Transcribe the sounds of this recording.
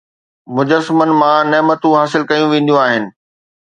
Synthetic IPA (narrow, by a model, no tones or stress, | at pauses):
mʊd͡ʑəsmənɪ̆mãneːmət̪ũɦaːsɪlkɐjũʋẽːnd̪jũaːɦɪnɪ̆